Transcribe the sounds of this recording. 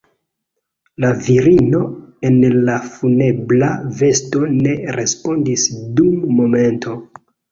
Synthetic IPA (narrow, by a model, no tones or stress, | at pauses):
laviɾino̞e̞nlafune̞blave̞sto̞ne̞ɾʔe̞spo̞ndisdumːo̞me̞ntʰo̞